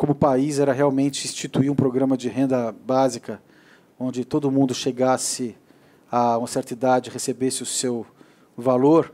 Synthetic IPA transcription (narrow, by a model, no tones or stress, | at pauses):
kõmʊpaizɛɾɐɦeawmẽnt͡ʃɪĩst͡ʃit̪uiũpɾoɡɾɐ̃mɐd͡ʒɪɦẽnd̪ɐbazikɐ | õnd͡ʒɪt̪od̪ʊmũnd̪ʊʃeɡasɪ | aũɐseɾt͡ʃ̪id̪ad͡ʒɪhesebesɪʊsew | valoɾ